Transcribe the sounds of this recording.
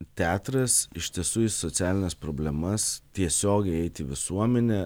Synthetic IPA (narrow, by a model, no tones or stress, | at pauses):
t̪ʲæːt̪ɾɐsɪʃʲt̪ʲiɛsuːɪsot̪sʲæːlʲɪnʲɛspɾoːbʲlʲɛmɐst̪ʲiɛsʲoːɡʲɛɪɛɪt̪ʲɪʋʲɪsuɔmʲɛnʲɛ